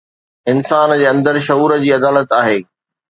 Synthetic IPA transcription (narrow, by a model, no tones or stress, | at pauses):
ɪnsaːnd͡ʑeːɐ̃nd̪əɾʃɐuːɾə̆d͡ʑiːɐd̪aːlət̪aːɦeː